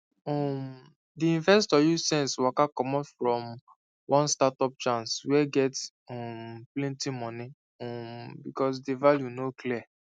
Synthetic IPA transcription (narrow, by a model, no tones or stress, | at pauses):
ɔm | diĩnvɛstɔjusɛ̃nswakakɔmɔtfɹɔ̃m | wʔɔ̃nstatɔp̚t͡ʃãnswɛɡɛt | ɔmplɛ̃ntĩmɔ̃ni | ɔmbikɔs̬devaljunoklia